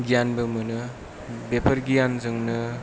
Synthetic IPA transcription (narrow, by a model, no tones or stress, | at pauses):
ɡijanbɐmɯnɯ | bepʰɐɾɡijanzɯŋnɯ